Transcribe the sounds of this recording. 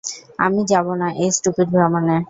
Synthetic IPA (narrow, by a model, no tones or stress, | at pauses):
amid͡ʑabonaʔejsʈupeʈ̚bʱɾamane